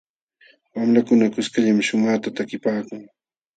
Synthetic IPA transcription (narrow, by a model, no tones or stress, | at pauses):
wamlakʊnakʊskaʎamʃʊmaːt̪at̪akɪpaːkʊŋ